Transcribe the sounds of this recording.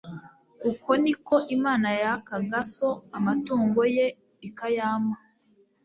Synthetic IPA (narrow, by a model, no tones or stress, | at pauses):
kuko̞niko̞ʔimaːnajakaɡaso̞amatuːŋɡo̞je | ikajaːma